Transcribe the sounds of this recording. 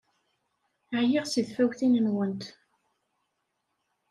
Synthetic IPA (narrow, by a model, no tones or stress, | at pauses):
ʕjiʁsiðfæwθinənwənt̪